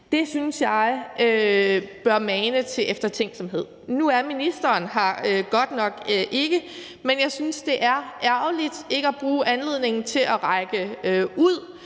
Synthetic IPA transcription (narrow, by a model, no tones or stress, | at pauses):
d̥e̝synsjɑ̈ɪøb̥ɶɐmɛːnət͡sʰe̝lʔefd̥ɐt͡sʰeŋ̰ɡ̥sɒ̽mɦe̝ð̞̰ˠnuæɐminisd̥ɐːnɦɑ̈øɡ̥ɒ̽d̥nɒ̽ɡ̥ʔe̝ɡ̥ə | menjɑ̈ɪsynsd̥e̝ʔæɐʔæɐʊlid̥e̝ɡ̥əæb̥ʁuːʔænle̝ð̰ˠne̝ŋn̩t͡sʰe̝lʔɒʁɑ̈ɪɡ̥əøuð̞̰ˠ